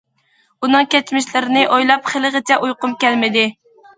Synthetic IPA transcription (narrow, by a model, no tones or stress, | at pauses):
unɨŋkʲɛt͡ʃmɪʃlɪɾɪnɪʔojlˠɑpχəlˠɨʁət͡ʃʰɛʔujqʊmkʲɛlmɪd̪ɪ